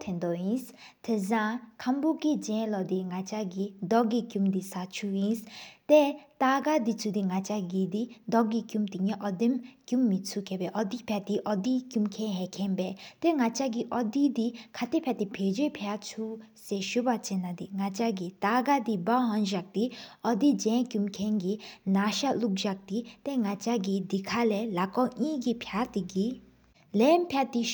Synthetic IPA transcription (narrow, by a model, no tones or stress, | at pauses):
t̪ʰend̪ojins | t̪ʰesãkʰamboɡid͡ʑɛ̃nlɔd̪iŋat͡ɕaɡid̪ɔʔɡikumd̪isat͡ɕʰujinst̪et̪aɡad̪it͡sʰud̪iŋat͡ɕaɡid̪id̪ɔʔɡikumt̪iɲeʔɔd̪emkumːit͡sʰukepɛːʔɔd̪ipʰɛt̪iʔɔd̪ikumkʰɛnɦɛkʰenpɛːt̪eŋat͡ɕaɡiʔɔd̪iːd̪ikʰat̪epʰjaʔt̪ipʰeːd͡ʑøpʰat͡sʰuseːɕuʔpat͡ɕenad̪iŋat͡ɕaɡit̪aɡad̪ibaɦɔnʑak̚t̪iʔɔd̪id͡ʑɛ̃nkumkʰɛnɡinaʃaluk̚ʑak̚t̪it̪eŋat͡ɕaɡid̪ikʰalɛːlakɔɲiːɡipʰjaʔt̪iɡi | lɛnpʰjaʔt̪i